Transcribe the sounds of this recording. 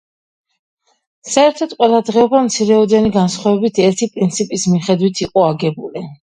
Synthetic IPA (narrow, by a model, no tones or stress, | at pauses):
saɛɾt̪ʰɔt̪̚qʼwɛlˠad̪ʁɛɔbamt̪sʰiɾɛɔd̪ɛniɡansχwavɛbit̪ʰɛɾt̪ʰipʼɾint̪sʰipʼismiχɛd̪wit̪ʰiqʼɔaɡɛbuli